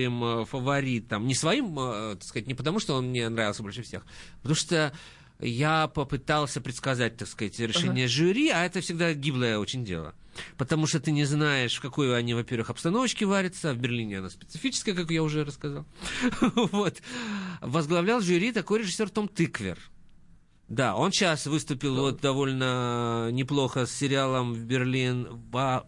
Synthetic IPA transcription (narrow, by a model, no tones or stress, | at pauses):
imfəvɐɾʲit̪əmnʲɪsvɐimt̪ɐkskɐzatʲnʲɪpət̪ɐmuʂt̪oo̞nmnʲenɾavʲɪlˠsʲəbo̞lʲʂɨfsʲe̞̰xpət̪ɐmuʂt̪o | japəpɨt̪alˠsʲəpɾʲɪt̪skɐzat̚ʲt̪akskzatʲɾʲɪʂɛnʲɪjəʐʊɾʲiaɛt̪əfsʲɪɡd̪aɡʲiblˠəjəo̞t͡ɕɪnʲdʲḛlˠə̰ | pət̪ɐmuʂt̪ot̪ɨnʲɪznajɪʂfkɐko̞jɐnʲivɐpʲe̞rvɨxɐpst̪ɐno̞vət͡ɕkʲɪvaɾʲɪt̪səvbʲɪrlʲinʲɪɐnaspʲɪ̥t̪sɨfʲit͡ɕɪ̥skəjəkakjaʊʐɛɾəskɐzalˠ | vo̞t̪ | vəzɡlˠɐvlʲalˠʐʊɾʲit̪ɐko̞jɾʲɪʐɨsʲːo̞rt̪o̞mt̪ɨkvʲɪ̰r | d̪ao̞nɕasvɨst̪ʊpʲɪlˠvo̞t̪̚d̪ɐvo̞lʲnənʲɪplˠo̞xəsʲːɪɾʲɪalˠəmvbʲɪrlʲinvɐ